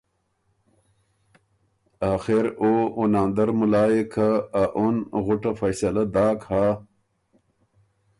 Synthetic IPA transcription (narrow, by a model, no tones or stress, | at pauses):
aːxeɾounaːnd̪ɐɾmulaːjekʰaːʔunɣʊʈafɐjsɐlad̪aːkhaː